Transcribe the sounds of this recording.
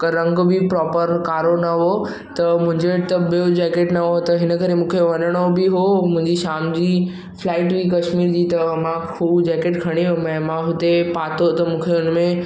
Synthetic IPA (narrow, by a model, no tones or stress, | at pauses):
ɾɐ̃ŋɡbɪpɾɔːpəɾkaːɾonɐɦo | t̪ɐmʊ̃ɦɪ̃ɲd͡ʑet̪ɐbijod͡ʑeːkeːʈnɐɦot̪ɐɦɪnə̆kɐɾemũːkʰeʋɐnəɽ̃obɪɦomʊ̃ɦɪ̃ɲd͡ʑiʃaːmd͡ʑiː | flaːɪʈbikɐʃmiːɾd͡ʑiːt̪ɐmãkʰuːbd͡ʑeːkeːʈkʰɐɽ̃iɦomɛ̃ːmãɦʊt̪epaːt̪ot̪ɐmũːkʰeʊnmẽ